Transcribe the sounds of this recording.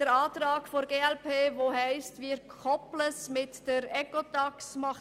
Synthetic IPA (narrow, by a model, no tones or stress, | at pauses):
dəɾɑːt̪ɾɑːɡ̥foɾɡeːɛlpʰeːvoːhɛɪstʋiːɾkʰχɔpləsmɪtd̥əɾɛkotɑksmɑχ